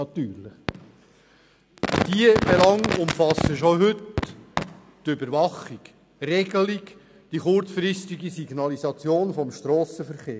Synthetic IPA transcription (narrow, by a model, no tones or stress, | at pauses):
ɑt̪yːɾləχ | d̥iəb̥ɛlɑŋʊmfɑsəʃoɦʏt | tʏbəɾvɑχik | rɛɡəlik | d̥iχʊɾt͡sfɾɪstiɡisiɡnɑlizɑt͡sjoːnfɔmʃtɾɔːsəfəɾχeː